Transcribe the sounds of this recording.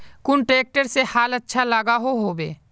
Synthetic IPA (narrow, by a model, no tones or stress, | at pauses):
kʊnʈɾeːk̚ʈəɾsehaːlətːʃʰalaɡaɦoɦoːbḛː